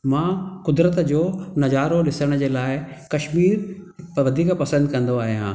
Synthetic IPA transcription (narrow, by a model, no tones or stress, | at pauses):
mãːkʊd̪ɾət̪d͡ʑoːnɐd͡ʑaːɾolɪsəɽ̃d͡ʑeːlaːɪkɐʃmiːɾʋɐd̪ʱiːkpɐsə̃nd̪kɐ̃nd̪oaːɦijã̰ː